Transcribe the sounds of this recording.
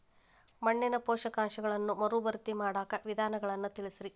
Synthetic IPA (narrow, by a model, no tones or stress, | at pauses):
mɐɳːinɐpoːʃɐkaːmʂɐɡɐɭɐnːumɐɾuːbɐɾt̪imaːɽaːkɐʋid̪ʱaːnɐɡɐɭɐnːut̪iɭisɐɾi